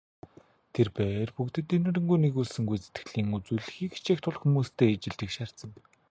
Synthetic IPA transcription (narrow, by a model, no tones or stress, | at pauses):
t̪ʰerpæːrpukt̪ɘ̆t̪ːinɘ̆ɾɘ̆ŋɡujneɣuːɮsɘ̆ŋɡujt͡set̪ɡɘ̆ɮiːŋut͡suːɮɘ̆xiːkt͡ɕʰext̪ʰʊɮxumuːst̪ʰeːt͡ɕɪ̆ɮt̪ɘ̆kʃar̥t͡sə̆ŋ